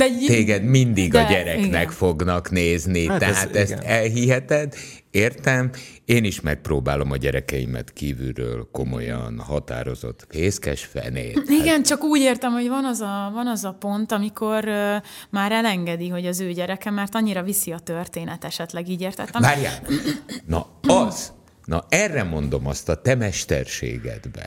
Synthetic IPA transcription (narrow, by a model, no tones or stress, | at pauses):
d̪ɛt̪eːɡɛd̪mind̪iɡɒɟɛɾɛiknɛkfo̞ɡnɒkneːznit̪ɛɦaːt̪ɛst̪ɛlɦiɦɛt̪ɛd̪ː | eːrt̪ɛmeːniʃmɛk̚proːbaːlo̞mɒɟɛɾɛkɛimɛ̰t̪kiːvy̰rø̰ːlko̞mo̞̰jɒnhɒt̪a̰ːɾo̞zo̞̰t̪ːeːskɛ̰ʃfɛ̰nḛːiɡɛnt͡ʃɒkuːɟeːrt̪ɛmho̞ɟvɒnɒzɒvɒnɒzɒpo̞nt̪ɒmikʰo̞rmaːɾɛlɛŋɡɛd̪iɦo̞ɟɒzøːɟɛɾɛkɛmɛrt̪ɒɲːiɾɒvisiɒt̪ørt̪eːnɛt̪ɛʃɛt̪lɛɡiːɟeːrt̪ɛt̪ːɛmbaːɾija̰ːnnɒ | ɒz | nɒɛrːɛmo̞nd̪o̞mɒst̪ɒt̪ɛmɛʃt̪ɛrʃḛːɡɛ̰d̪bɛ̰